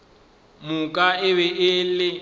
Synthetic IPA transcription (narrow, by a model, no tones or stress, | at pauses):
mʊkʼaɪbɛʔɪlɪ